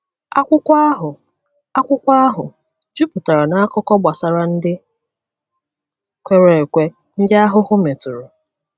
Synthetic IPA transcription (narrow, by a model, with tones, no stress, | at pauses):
a˦kʷʊ˦kʷa˦ɦʊ˨ | a˦kʷʊ˦kʷa˦a˦ɦʊ˨ | d͡ʒu˦pʊ˨ta˨ɾa˨na˦a˦kʊ˦kɔ˦ɡ͡ba˨sa˨ɾa˨n̩˦dɪ˦ | kʷe˦ɾe˨kʷe˦ | n̩˦dɪ˦a˦ɦʊ˦ɦʊ˦me˨tʊ˨ɾʊ˨